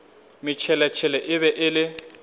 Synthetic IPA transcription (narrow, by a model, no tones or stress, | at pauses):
mɪt͡ʃʰɛlɛt͡ʃʰɛlɛʔɪβɛʔɪlɪ